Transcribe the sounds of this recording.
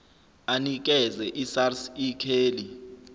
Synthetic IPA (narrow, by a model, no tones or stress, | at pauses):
anik̬ʼɛzɛʔisarsikʰeːli